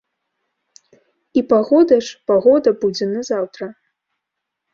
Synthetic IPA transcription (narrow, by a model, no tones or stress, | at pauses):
ipaɣɔd̪ɐʂpaɣɔd̪ɐbud͡zʲɛnɐzawt̪ɾɐ